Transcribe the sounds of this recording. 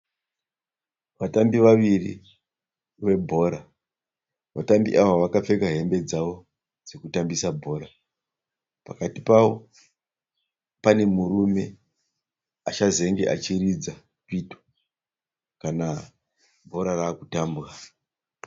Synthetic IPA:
ʋatambiʋaʋirḭ | ʋe̞bʱo̞ɾa | ʋatambiʔaʋaʋakap͡fe̞kaɦe̞mbe̞d͡zaʋo̞ | d͡zekutambisabʱo̞ɾa | pakatipaʋo̞ | pane̞murume̞ | at͡ʃaze̞ŋɡe̞̰ʔat͡ʃirid͡za | pito̥ | kana | bʱo̞ɾaraːkutaːmbɣa

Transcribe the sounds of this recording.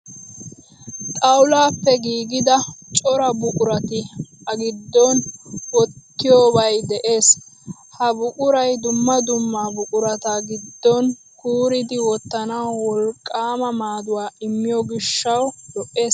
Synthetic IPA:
t̪ʼɐwʊlaːpːɛɡiːɡɪd̪ɐt͡ʃʼɔɾɐbʊkʼʊɾɐt̪ɪɐɡɪd̪ːɔnwɔt̪ːɪjoːbɐjd̪ɛʔe̞ːs | hɐbʊkʼʊɾɐjd̪ʊmːɐd̪ʊmːabʊkʼʊɾɐt̪ɐɡɪd̪ːɔn | kuːɾɪd̪ɪwɔt̪ːɐnɐwwɔlkʼːaːmɐmaːd̪ʊwaːɪmːɪjɔɡɪʃːɐwd̪ɔʔːeːs

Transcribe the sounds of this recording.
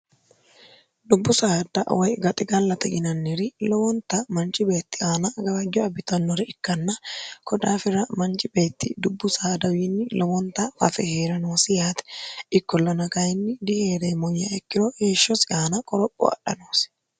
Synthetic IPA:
d̪ʊbːʊsaːd̪ɐ̰wɔjɡɐt̪ʼɪɡɐlːɐt̪ɛɡɪnɐnːɪɾɪlɔwɔnt̪ɐmɐnt͡ʃʼɪbe̞ːt̪ːɪaːnɐɡɐbɐd͡ʒːɔɐbɪt̪ɐnːɔɾɛɪkːɐnːɐkɔᶑaːfɪɾɐmɐnt͡ʃʼɪbe̞ːt̪ːɪ̰d̪ʊbːʊsaːd̪ɐwiːnːɪlɔwɔnt̪ɐɐfɛheːɾɐnoːsɪjaːt̪ɛ̥ɪkːɔlːɔnɐkajɪnːɪd̪ɪheːɾeːmɔjːaɛkːɪɾoːheːʃːɔsɪaːnɐkʼɔɾɔkʼːɔ̰ɐ̰ᶑɐ̰noːs

